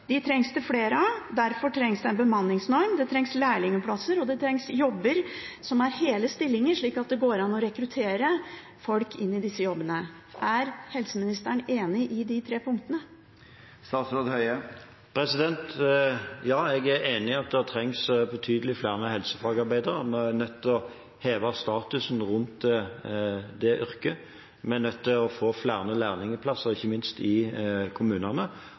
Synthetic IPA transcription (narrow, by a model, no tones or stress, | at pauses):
d̪ɪt̪ʰɾɛŋst̪ɪfleːɾəɑd̪æɾfɔʈʰɾɛŋsd̪ɛɛnbəmɑnːɪŋsnɔɾmd̪ɛt̪ʰɾɛŋslæɪɭɪŋəpʰlɑsəɾɔd̪ɛt̪ʰɾɛŋsjɔbːəɾsɔmæɾheːləst̪ɪlːɪŋəʂɭiːkɑt̪̚d̪ɛɡoːɾɑnːɔɾɛkɾʉt̪ʰeːɾə | fɔlkʰɪnːɪd̪ɪsːəjɔbːənə | ʔæɾhɛlsəmɪnɪst̪əɳeːnɪʔɪd̪ɪt̪ʰɾeːpʰʊŋkt̪ənə | st̪ɑːt̪sɾoːd̪hœʏə | pʰɾɛsɪd̪ɛnt̪ | jɑːɛɡæɾeːnɪɑt̪̚d̪ɛæt̪ʰʁɛŋsbɔt̪ʰyːd̪əlɪflæːʁnəhɛlsəfɑɡɑɾbæɪd̪əʁəmɛænœt̪ʰːɪlɔ | heːʋɑst̪ɑːt̪ʉsnʁʉnt̪ | d̪ɛʔʏɾkə | mɛnœt̪ːɪlɔfoːflæːʁənəlæːʁnɪŋəpʰlɑsəʁɪçːəmɪnst̪ɪkʰʊmʉːnənə